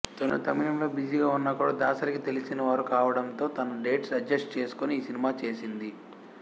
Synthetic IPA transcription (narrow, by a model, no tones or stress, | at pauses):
t̪onːut̪ɐminɐmlo̞ːbid͡ʒiɡaːunːɐkuːɽaːd̪aːsɐɾikit̪e̞lisinɐʋaːɾukaːʋɐɽɐnt̪o̞ːt̪ɐnɐɖe̞ːʈsɐd͡ʒɐsʈt͡ʃe̞ːsu̥koniːsinimaːt͡ʃe̞ːsind̪i